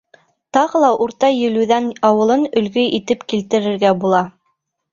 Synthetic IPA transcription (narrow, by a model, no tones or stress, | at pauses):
t̪ɑʁɤlˠɑʔuɾt̪ɑjɵ̆lʉðænɑwɤ̆lˠɤnɵ̆lɡɵit̪ɘpkilt̪ɘ̆ɾɘ̆ɾɡæbulˠɑ